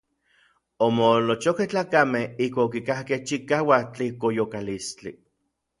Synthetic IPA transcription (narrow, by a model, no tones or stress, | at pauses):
omolot͡ʃokeht͡ɬaːkamehihkʷaːokikahkeht͡ʃikaːwat͡ɬikojokalist͡ɬi